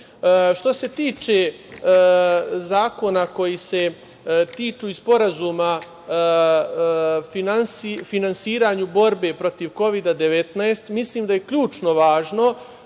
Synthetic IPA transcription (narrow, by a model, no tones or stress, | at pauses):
ʃt̪o̞se̞t̪iːt͡ʃe̞ | zaːko̞nako̞jise̞ | t̪iːt͡ʃuːispo̞ɾazuːma | finansifinansiːɾaɲubo̞ɾbe̞pɾo̞t̪iʋko̞ʋid̪ad̪e̞ʋe̞t̪naest̪misliːmd̪ajekʎuːt͡ʃno̞ʋaːʒno̞